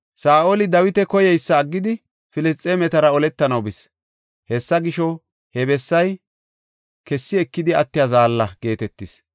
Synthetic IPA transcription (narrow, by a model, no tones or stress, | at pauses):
saːʔolɪd̪ɐwɪt̪ɛkɔjɛjsːɐːɡːɪd̪ɪ | fɪlɪst̪ʼːeːmɛt̪ɐɾɐɔlɛt̪ːɐnɐwbɪs | hɛsːɐɡɪʃɔ | hɛbɛsːɐj | kɛsːɪɛkːɪd̪ɪɐt̪ːɪjazaːlːɐɡe̞ːt̪ɛt̪ːɪs